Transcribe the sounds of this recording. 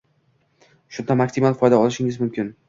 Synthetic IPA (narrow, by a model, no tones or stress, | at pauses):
ʃʊnd̪amaksimalˠfɒjd̪aɒlˠɪʃɪŋɪzmʊmkʲɪn